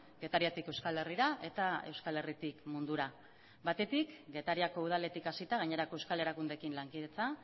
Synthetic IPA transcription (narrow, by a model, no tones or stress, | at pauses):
ɡe̞t̪aɾiat̪ike̞wskale̞riɾaʔe̞t̪ae̞wskale̞rit̪ikmund̪uɾa | βat̪e̞t̪ikɡe̞t̪aɾiako̞uð̞ale̞t̪ikasit̪aɣ̞aɲe̞ɾako̞ewskale̞ɾakund̪e̞kinlaŋkið̞e̞t͡sa